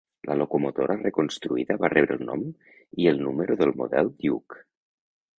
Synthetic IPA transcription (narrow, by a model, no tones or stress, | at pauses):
lʔəlokomot̪oɾarəkonst̪ɾuiðəβarɛβɾə̰lˠnɔ̰m | iəlˠnuməɾoðəlˠmo̰ðɛlˠd̪juk